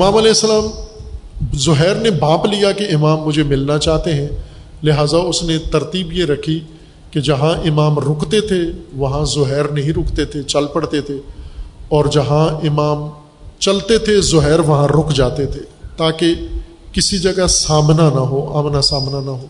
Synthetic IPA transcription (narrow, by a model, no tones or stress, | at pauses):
ɪmaːmɐlɛːɪsːəlaːm | zʊɦɛːɾnebãːplijakeɪmaːmːʊd͡ʒʱemɪlnat͡ʃaːɦt̪eɦɛ̃ | lɪɦaːzaʊsnet̪ɐɾt̪iːbjeɾɐkʰi | ked͡ʒɐɦãʔɪmaːmɾʊkʰt̪et̪ʰeʋɐɦãzʊɦɛːɾnɐɦĩɾʊkʰt̪et̪ʰet͡ʃɐlpɐɽt̪et̪ʰe | ɔːɾd͡ʒɐɦãɪmaːm | t͡ʃɐlt̪et̪ʰezʊɦɛːɾʋɐɦãɾʊkʰd͡ʒaːt̪et̪ʰeːt̪aːke | kɪsid͡ʒɐɡasaːmnanɐɦoːaːmnasaːmnanɐɦoː